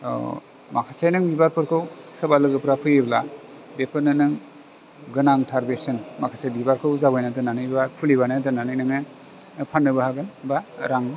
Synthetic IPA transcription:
ɔ̰ | makʰasajnɯŋbibaɾpʰɯɾkʰɯwsɯbalɯɡɯpɾapʰɯjebla | bepʰɯɾnɯnɯŋ | ɡɯnaŋtʰaɾbesɯnmakʰasajbibaɾkʰɯwzabajnatɯnanɯjbapʰuliβanɯtɯnanɯjnɯŋɯ | pʰanːɯbahaɡɯnbaɾaŋb

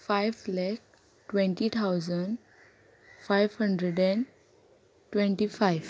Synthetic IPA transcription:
faɪʋlak̚ | ʈʋẽɳʈit̪ʰaʊzə̃ɳɖ | faɪʋhə̃ɳɖɾəɖɛ̃n | ʈʋẽɳʈifaɪʋ

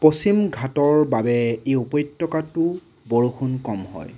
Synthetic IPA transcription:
posimɡʱatɔɹbabɛeupɔjtːɔkatʊ | boɹuxʰunkɔmhɔ̰j

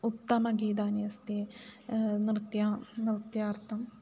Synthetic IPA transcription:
ut̪ːɐmɐɡiːd̪aːniɐst̪i | nɾɨt̪jaːnɾɨt̪jaːɾt̪ʰɐm

